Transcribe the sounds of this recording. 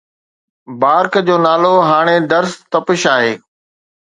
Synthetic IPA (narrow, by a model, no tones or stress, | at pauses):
baːɾkd͡ʑoːnaːloɦaːɽ̃eɖ̪ɐɾst̪ɐpɪʃaːɦeː